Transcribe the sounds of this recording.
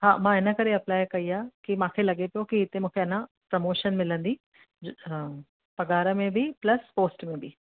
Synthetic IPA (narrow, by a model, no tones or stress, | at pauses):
ɦãːmãɪnə̆kɐɾeɐplaːjkɐiaːkimãːkʰelɐɡepijokiɪt̪emũːkʰeɐnãpɾɐmoːʃənmɪlə̃nd̪i | pɐɡaːɾəmẽbʱiplɐspoːsʈmẽbʱi